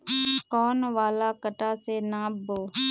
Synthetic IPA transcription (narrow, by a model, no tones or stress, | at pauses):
kɔːnʋaːlaːkəʈaːseːnãːboː